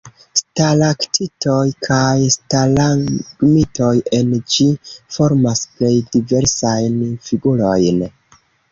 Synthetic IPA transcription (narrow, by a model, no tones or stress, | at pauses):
stalaktʰito̞jkʰajstalaɡmito̞je̞nd͡ʒifo̞ɾmasple̞jdive̞ɾsajnfiɡulo̞jn